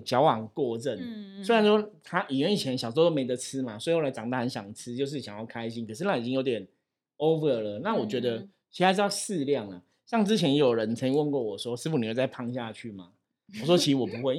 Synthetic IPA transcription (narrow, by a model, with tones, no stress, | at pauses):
t͡ɕjɑ˧˥ʊwɑ˨˩ŋkwɔ˥˧ʈ͡ʂə˥˩nswe˥ɪɻa˧˦n˥ʂwɔ˥t̪ʰa˥ʔi˨˩ɥɛ˧˥ni˨˩t͡ɕʰjɛ˧˦nɕjso˥o˦˧o˥me˧˥ɪd̪ə˧t͡s̩ʰ˦ma˨swxo˥˩la˧˥ɪʈ͡ʂɑ˨˩ŋt̪a˥˩ə˧˦nɕjɑ̰˨˩ŋt͡s̩ʰ˥t͡ɕjo˥˧ʊʂ̬̩˥˩ɕjɑ˨ŋjɑ˥˩ʊkʰa˦ɪɕi˦˥nkʰə˨˩ʂɻ̩˥˩na˥˩i˨˩t͡ɕi˥ŋjo˧˥t̪jɛ˨˩˦n | o˦˥ʊvə˨˩lə˩na˥˨wɔ˨˩t͡ɕɥɛ˧˥d̪ə˧ | t͡ɕʰi˧˥˧ʂjʊsɻ̩˥˧ljɑ˥˨˩ŋlə˩ | ɕjɑ˥˩ŋt͡sɻ̩˥t͡ɕʰjɛ˧˦˥njo˨˩ʊɻə˧˦nt͡sʰə˧˥ŋi˧˦wə˥˧nkwɔ˥˩wɔ˨˩ʂwɔ˥ʂɻ̩˥˩fu˨ni˨˩wt͡sa˥˩ɪpʰɑ˥˧ŋɕja˥˨t͡ɕʰy˥˩ma̰˩ | wɔ˨˩ʂ̬wɔ˦˥t͡ɕʰi˧˥s̩˧˥wɔ˨˩pu˧˦xwe˥˩ɪ